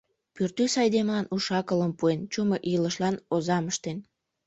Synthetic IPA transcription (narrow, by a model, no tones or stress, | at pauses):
pyrt̪ysɑjd̪emlɑnuʃɑkələmpuent͡ɕumoʔiləʃlɑnozɑməʃt̪en